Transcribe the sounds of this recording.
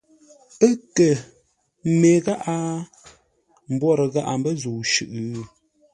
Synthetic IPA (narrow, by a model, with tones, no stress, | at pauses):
ə˦kə˨˦ | me˨ɣa˦ʔa˦ | m̩˨bwɔ˦ɾə˨ɣa˦ʔa˨mbə˦zuː˨ʃʉ˦˨ʔ